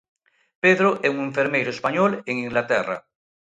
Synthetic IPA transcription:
peðɾoʔeuŋeɱfeɾmejɾoespaɲoleŋĩŋɡlat̪ɛra̰

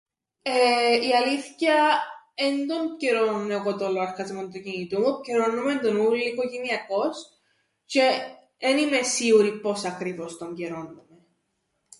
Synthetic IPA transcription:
eiɐliθçɐend̪onceɾonuneokot̪oloɐɾkɐzmond̪ucinit̪umuceɾonːumend̪onulːikoʝeniɐko̞s | ce | enimesiuɾipo̞sɐkɾivo̞st̪oɲɟeɾo̞nːume

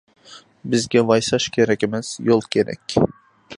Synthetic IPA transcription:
bɪzɡʲɛvɑjsɑʃkʲʰeɾɛkʲɪmɛz̥jolˠkʲʰeɾɛ̰kʲ

